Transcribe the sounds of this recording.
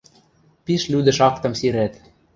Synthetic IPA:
piʃlyd̪ɘ̆ʃɑkt̪ɤ̆msiɾæt̪

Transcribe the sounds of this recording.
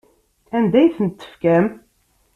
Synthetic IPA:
ænd̪æjθənt̪ːə̥fkæm

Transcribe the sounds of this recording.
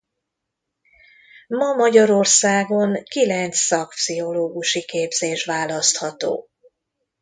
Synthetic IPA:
mɒmɒɟɒɾo̞rsaːɡo̞ŋkilɛnt̪ssɒkpsiɦo̞loːɡuʃikeːbz̥eːʃʋaːlɒst̪hɒt̪o̰ː

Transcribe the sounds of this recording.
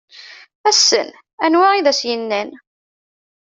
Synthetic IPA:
æsːə̰n | ænwæiðæsjənːæn

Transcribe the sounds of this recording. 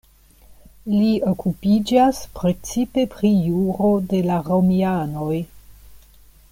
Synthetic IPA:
lio̞kupid͡ʒaspɾe̞t͡sipe̞pɾijuɾo̞de̞laɾomiano̞j

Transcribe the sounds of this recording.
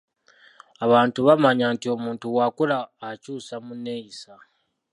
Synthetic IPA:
aβaːntuβamaɲaːntio̞muːntuwaːkulaːcuːsamunːe̞ːjisa

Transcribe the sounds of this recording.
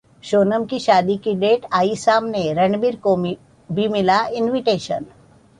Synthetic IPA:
ʃoːnəmkiʃaːd̪ikiɖeːʈaːisaːmneɾɛɳbiɾko | bʱimɪlaɪnʋiʈeːʃə̰n

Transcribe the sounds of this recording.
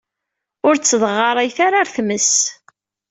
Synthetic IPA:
ʊɾt͡sːəðˤəʁːɑɾˤæjθaɾaɾθməs

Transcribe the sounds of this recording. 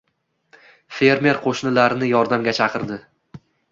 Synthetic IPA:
fe̞ɾme̞ɾqʰoʃnɪlaɾɪnɪjɒɾd̪amɡʲat͡ʃʰɑqɨɾd̪ɪ

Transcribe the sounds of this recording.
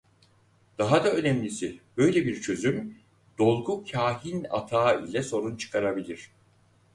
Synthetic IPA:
d̪̥aɦad̪aø̞nɛmlʲisibø̞jlʲɛbiɾt͡ʃʰø̞zym | d̪̥o̞lˠɡucʰaːɦina̰t̪ʰaːḭlʲɛso̞ɾunt͡ʃʰɯ̥kʰaɾabilʲiɾ̥

